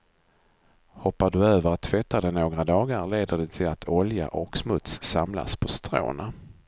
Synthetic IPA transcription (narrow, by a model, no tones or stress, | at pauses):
hɔpːaɖɵøːvəɾat̪ʰːvɛt̪ːad̪ɛnoːɡɾad̪ɑːɡaɾleːd̪əɖɛt̪ʰɪlat̪ʰɔlja̰ʔɔksmɵt̪sːamla̰spʰɔst̪ɾo̰ːna